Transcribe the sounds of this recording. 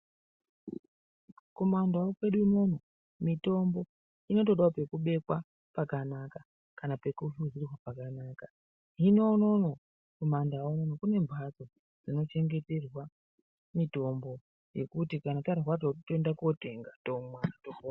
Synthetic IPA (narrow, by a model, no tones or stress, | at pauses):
ko̞mandawokwe̞ɗuino̞no̞ | mito̞mbo̞ | ino̞to̞ɗawape̞kuɓe̞kwa | pakanaka | kanape̞kuʃuzirwapakanaːka | ɦino̞no̞no | ko̞mandaononokune̞mbʱat͡so̞ | d͡zino̞t͡ʃe̞ŋɡe̞te̞rwa | mito̞mbo̞ | je̞̰kutikanataɾirwatotoendako̞te̞ŋɡato̞mwatofon